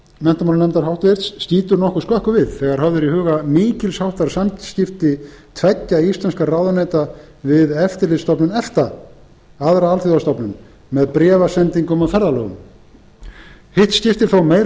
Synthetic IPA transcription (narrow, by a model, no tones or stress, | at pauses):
mɛn̥t̪amannɛmt̪aɾɦawht̪vɪɾt̪sːciːt̪ʏɾnɔhkʏ̥skœhkʏvɪðθɛɣaɾ̥hœvðʏɾihʏːɣamɪːcɪlshawht̪aɾ̥samscɪft̪ɪt̪ʰvɛcːaist̪lɛnskarawðanaːjt̪a | vɪðɛft̪ɪɾlɪst̪ɔpnʏnɛft̪a | aðɾaalθjɔðast̪ɔpnʏmː | ɛðpɾɛːvasɛnt̪iŋkʏmaðfɛɾðalœːɣʏ̰m | hɪht̪scɪft̪ɪ̥θowmeːjɾ